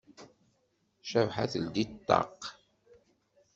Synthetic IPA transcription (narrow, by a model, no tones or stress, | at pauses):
ʃævħaθəld̪it̪ˤːɑ̰q